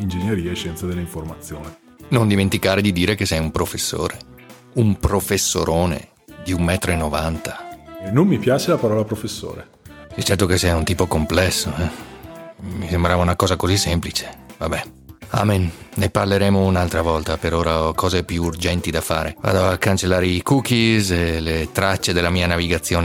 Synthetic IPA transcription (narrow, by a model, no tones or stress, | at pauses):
ind͡ʒeɲːeɾiːaeʃːɛnt̪sad̪elːaiɱformat̪sːjoːne | nond̪iment̪ikaːɾed̪id̪iːɾekesɛjumpɾofesːo̰ːɾe | umpɾofesːo̰ɾoːnḛ | d̪iumːɛːt̪ɾoenːovant̪ḁɛnomːipjaːt͡ʃelapaɾɔːlapɾofesːo̰ːɾḛ | sit͡ʃːɛrt̪okesɛunt̪iːpokomplɛsːoɛ | misembɾaːvaunakɔːzakozisːɛmplit͡ʃe̥vabɛ | a̰ːmenneparleɾɛːmounalt̪ɾavɔlt̪apeɾoːɾaɔkʰɔːzepjuːrd͡ʒɛnt̪id̪afaːɾeva̰ːd̪oakːant͡ʃelːaːɾeikuk̟iselet̪ɾat͡ʃːed̪elːamiːanaviɡat̪sːjoːne